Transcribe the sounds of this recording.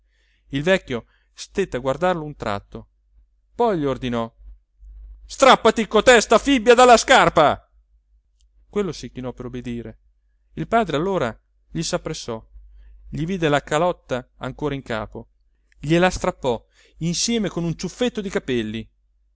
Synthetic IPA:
ilvɛkʲːjo | st̪et̪ːeaɡward̪arlount̪ɾʔa̰t̪ːo | pɔjʎiord̪inɔ | st̪ɾapːat̪ikot̪ɛst̪afibjad̪alːaskarpa | kwelːosikinɔpːeɾobːed̪iːɾe | ilpaːd̪ɾealːoːɾa | ʎisapːɾesːɔ | ʎiviːd̪elakalɔt̪ːaa̰ŋkoːɾaiŋka̰ːpo | ʎelast̪ɾapːɔ | insjɛːmekonunt͡ʃufːet̪ːod̪ikapɛlːi

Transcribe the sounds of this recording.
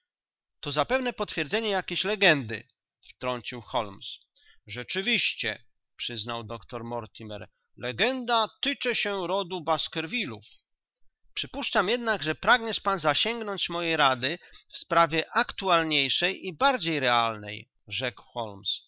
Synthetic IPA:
t̪ɔzapɛvn̪ɛpɔt̪fʲjɛɾd̪zɛɲɛjakʲeɕlɛɡɛnd̪ɘ̰ | ft̪ɾɔɲt͡ɕiwxɔlmsʐɛt͡ʂɘvʲiɕt͡ɕɛ̰ | pʂɘznawd̪ɔkt̪ɔɾmɔɾt̪ʲimɛ̰ɾ | lɛɡɛnd̪at̪ɘt͡ʂɛɕɛɾɔd̪ubaskɛɾvʲiluf | pʂɘpuʂt͡ʂamjɛd̪naɡʐɛpɾaɡɲɛʂpanzaɕɛŋɡnɔɲt͡ɕmɔjɛjɾad̪ɘfspɾavʲjɛʔakt̪ualɲejʂɛjibaɾd͡ʑejɾɛalnɛ̰j | ʐɛkwxɔlms

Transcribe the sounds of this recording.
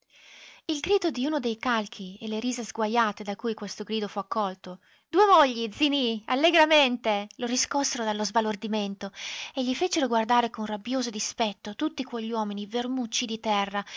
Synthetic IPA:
ilɡɾiːd̪od̪iuːnod̪ejkalkʰieleɾiːzazɡwajːaːt̪ed̪akuːjkwest̪oɡɾiːd̪ofuakːɔlt̪o | d̪uːemoʎːid̪zinialːeɡɾament̪eloɾiskɔsːeɾod̪alːozbalord̪iment̪oeʎːifet͡ʃeɾoɡward̪aːɾekonrabjoːzod̪ispɛt̪ːot̪ut̪ːikwoʎːwɔːminivermut͡ʃːid̪it̪ɛrːa

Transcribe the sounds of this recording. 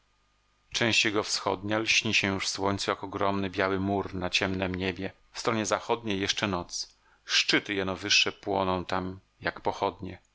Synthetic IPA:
t͡ʂɛ̃ɕt͡ɕjɛɡɔfsxɔ̰d̪ɲalɕɲiɕɛjuʂfswɔɲʲt̪sujakɔɡɾɔmnɘbʲjawɘmuɾnat͡ɕɛmnɛmɲebʲjɛ | fst̪ɾɔɲɛzaxɔd̪ɲejːɛʂt͡ʂɛnɔt̪s | ʂt͡ʂɘt̪ɘjɛnɔvɘʂːɛpwɔ̰nɔ̃w̃t̪am | jakpɔxɔd̪ɲɛ

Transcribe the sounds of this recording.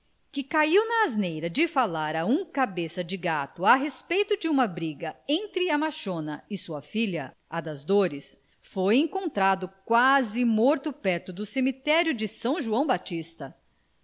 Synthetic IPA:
kɪkaiwnɐːznejɾɐd͡ʒɪfalaɾɐũkabesɐd͡ʒɪɡat̪ʊaɦespejt̪ʊd͡ʒɪũmɐbɾiɡɐẽnt̪ɾɪɐmaʃõnɐɪsuɐfiʎɐ | ad̪ɐzd̪oɾɪs | fojẽŋkõnt̪ɾad̪ʊkwazɪmɔɾt̪ʊpɛɾt̪ʊd̪ʊsemit̪ɛɾjʊd͡ʒɪsɐ̃w̃ʒuɐ̃w̃bat͡ʃist̪ɐ

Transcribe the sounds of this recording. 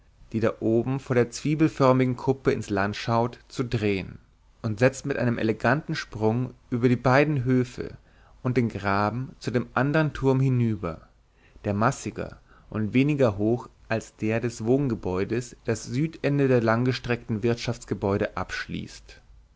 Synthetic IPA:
d̥iːdaʔoːbm̩foːɐɾeːɐt͡sv̥iːbl̩fœɐmɪɡŋ̩kʰʊpəɪnslantʃaʊtt͡sudʁeːən | ʔʊntz̥ɛt͡stmɪtʔa̰ɪnəmʔɛ̰lɛɡantn̩ʃpʁ̥ʊŋʔyːbɐɾiːbaɪdn̩ɦøːfə̰ | ʔʊnt̚d̥eːnɡʁaːbm̩t͡sudeːmʔandəʁəntʰʊɐmhɪnyːbɐ̰ | d̥eːɐmasɪɡɐ̰ | ʔʊntv̥eːnɪɡɐɦoːxʔalsd̥eːɐdɛsv̥oːnɡəbɔʏdəsd̥asz̥yːtʔɛndədeːɐlaŋɡəʃtʁ̥ɛktn̩vɪɐtʃaft͡sɡ̥əbɔʏɾəʔapʃlḭːst

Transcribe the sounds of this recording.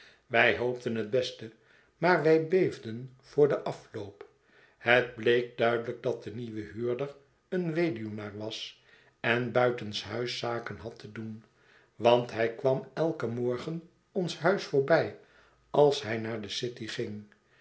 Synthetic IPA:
ʋɛjɦowp̚tənɦəd̚bɛstə | maːɹʋɛjbejvdən | v̥ʊːɹdəʔɑfloʊp | hədblejk̚dœɥdələɡ̚dɑt̚dəniʋəɦyːɹdəɹ | ənʋejdijonaːɹʋɑs | ɛnbœɥtənsɦœɥsaːkənɦɑtʰədun | ʋɑntɦɛjkʋɑmɛlˠkəmɔɹχən | ɔnsɦœɥsfʊːɹbɛj | ɑlˠsɦɛjnaːɹdəsɪtiχɪŋ

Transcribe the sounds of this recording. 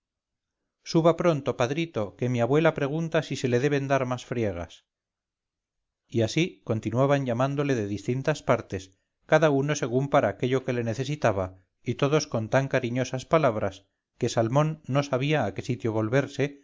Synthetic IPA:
suβapɾo̞nt̪o̞paðɾit̪o̞ke̞miaβwe̞lapɾe̞ɣ̞unt̪asise̞le̞ðe̞β̞e̞nd̪aɾmasfɾje̞ɣ̞a̰s | iasiko̞nt̪inwaβaɲʎamand̪o̞le̞ðe̞ðist̪int̪aspaɾt̪e̞s | kaðauno̞se̞ɣ̞umpaɾaːkeʎo̞ke̞le̞neθe̞sit̪aβa | it̪o̞ðo̞sko̞nt̪aŋkaɾiɲo̞saspalaβɾas | ke̞salmonːo̞saβ̞iaːke̞sit̪jo̞βo̞lβe̞ɾse̞

